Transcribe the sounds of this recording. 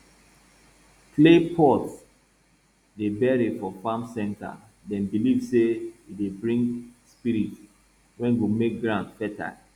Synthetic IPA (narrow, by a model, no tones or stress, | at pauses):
pʰlepʰɔt | debɛɹifɔfamsɛ̃nta̰ | dɛ̃nbilivseidebɹĩŋɡspiɾit | wɛ̃nɡumek̚ɡɹãndfɛta̰